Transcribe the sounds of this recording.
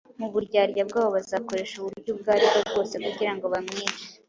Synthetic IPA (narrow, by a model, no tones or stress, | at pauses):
muβuɾɟaːɾɟabɡaːβoβazaːko̞ɾe̞ːʃuβuɾɾɟubɡaːɾiβobɡo̞ːse̞kuɟiɾaŋɡo̞βamŋiːnt͡ʃi̥